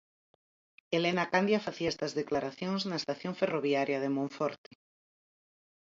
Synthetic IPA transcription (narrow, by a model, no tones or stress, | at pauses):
elenakand̪jafaθiaest̪ɐzðeklaɾaθjõŋznaest̪aθjoɱferoβjaɾjað̞emõɱfɔɾt̪e̥